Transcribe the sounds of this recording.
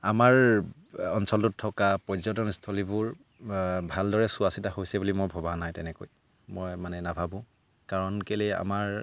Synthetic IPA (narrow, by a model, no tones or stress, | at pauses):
amaɹ | ɔnsɔltʊtʰːɔkapɔzɔt̬ɔnistʰolibʊɹ | bʱaldɔɹɛsʊasitahojsɛbulimojbʱɔbanajtɛnɛkoj | mɔjmanɛnabʱabʊ̃ | kaɹɔnkelɛa̰maɹ